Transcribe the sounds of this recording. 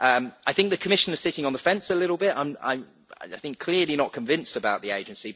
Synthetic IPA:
ʔʌ̃maɪθɪ̃ŋk̚ðəkʰəmɪʃə̃nɪz̥sɪtɪ̃ŋə̃nðəfɛ̃nsəlɪɾl̩ˠbɪtã̰ɪ̃mã̰ɪ̃m | a̰ɪaɪθɪ̃ŋkʰl̥ɪəlinəʔ̚kʰə̃ɱvɪ̃nstəbaʊʔðieɪd͡ʒɨ̃nsi

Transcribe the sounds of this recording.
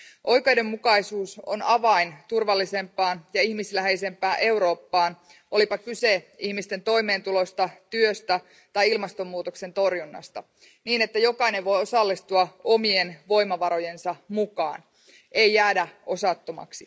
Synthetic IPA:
ʔo̞jkejde̞mːukɑjsuːso̞̰nɑʋɑint̪urʋɑlːise̞mpːˑɑːnjɑihmislæɦe̞ise̞mpˑæːʔe̞wɾo̞ːpːɑːn | ʔo̞lipɑkyse̞ihmist̪e̞nt̪o̞ime̞ːnt̪ulo̞st̪ɑt̪yøst̪æ | t̪ɑjilmɑst̪o̞mːuːt̪okse̞nt̪o̞rjunːɑ̰st̪ɑ | niːne̞t̪ːæjo̞kɑjne̞ʋʋo̞jo̞sɑlːist̪uɑo̞mie̞nʋo̞jmɑʋɑɾo̞je̞nsɑmukɑ̰ːn | ʔe̞jːæːdæo̞sɑt̪ːomɑ̰ksi

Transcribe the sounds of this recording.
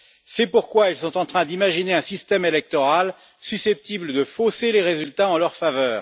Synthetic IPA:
sɛpuʁkwailsɔ̃t̪ɑ̃t̪χɛ̃d̪imaʒineɛ̃sist̪ɛmelɛk̚t̪ɔʁal | sysɛp̚t̪ibləd̪əfoseleʁezylt̪aɑ̃lœʁfavœːʁ

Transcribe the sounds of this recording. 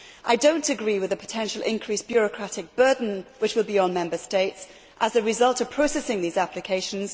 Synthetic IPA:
ʔaɪdõʊ̃ntɨɡɹiwɨðɨpʰə̥tʰɛ̃nʃəlˠʔɪ̰̃nkʰɹ̥isb̥jʊɹəkʰɹ̥atɪk̚b̥ɜ˞dⁿn̩wɨt͡ʃwɨlˠbiə̃nmɛ̃mbəsteɪts | ʔəzɨɹɨzʌlˠtəv̥pʰɹ̥oʊsɛsɪ̃ŋðizaplɨkʰeɪʃə̃n̩z̥

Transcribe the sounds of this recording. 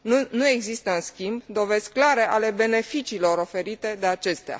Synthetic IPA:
nunue̞ɡzist̪əɨnskʲimbd̪o̞ve̞zʲklaɾe̞ʔale̞be̞ne̞fit͡ʃiːlo̞ɾo̞fe̞ɾit̪e̞d̪e̞at͡ʃe̞st̪ea̰

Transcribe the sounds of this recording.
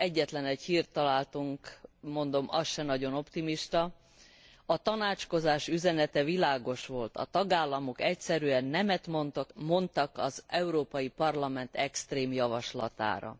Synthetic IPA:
ɛɟːɛt̪lɛnɛchiːrt̪ːɒlaːlt̪uŋkmo̞nd̪o̞mʔɒsʃɛnɒɟo̞no̞pt̪imiʃt̪ɒ | ɒt̪ɒnaːt͡ʃko̞zaːʃyzɛnɛt̪ɛvilaːɡo̞ʃʋo̞lt̪ɒ̰t̪ɒɡaːlːɒmo̞kɛcsɛɾyɛnːɛmɛt̪mont̪mo̞nt̪ɒkɒzɛuɾoːpɒjipɒrlɒmɛnt̪ɛkst̪reːmjɒvɒʃlɒ̰t̪a̰ːɾɒ̰

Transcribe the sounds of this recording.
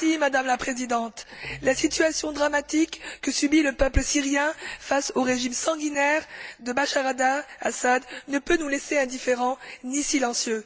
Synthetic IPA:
imad̪amlapχezid̪ɑ̃t̪lasit̪yasjɔ̃d̪ʁamat̪ikːəsybiləpœpləsiʁjɛ̃fasoʁeʒimsɑ̃ɡʲinɛʁd̪əbaʃaʁad̪aasad̪nəpønuleseɛ̃d̪ifeʁɑ̃nisilɑ̃sjø

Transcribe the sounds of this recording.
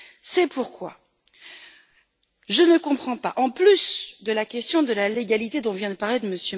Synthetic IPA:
sɛpuʁkwa̰ | ʒənəkɔ̃pχɑ̃paʔɑ̃plysd̪əlakʲɛst̪jɔ̃d̪əlaleɡalit̪ed̪ɔ̃vjɛ̃d̪əpaʁled̪əməsjø

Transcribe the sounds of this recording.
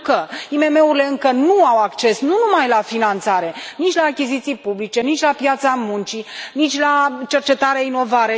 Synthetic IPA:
kəime̞me̞uɾile̞ɨŋkənuawakt͡ʃe̞snunumajlafinant̪saɾe̞nit͡ʃʲlaːkʲizit̪sijpublit͡ʃe̞nit͡ʃʲlapjat̪samunt͡ʃinit͡ʃʲlat͡ʃe̞rt͡ʃe̞t̪aɾeaino̞vaɾe

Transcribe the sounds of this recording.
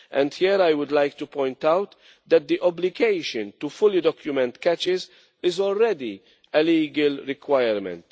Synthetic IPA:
ʔɛ̰̃nd̪hiːɾajwʊd̪lajkt̪upɔ̃jnt̪awt̪ | d̪ɛt̪̚d̪iʔɔblɪɡejʃə̃nt̪ufʊlid̪ɔkjʊmɛ̃nt̪kɛt͡ʃɪz | ɪzɔlɾɛd̪i | ɛliːɡəlɾɪkwajəɾmɛ̰̃nt̪

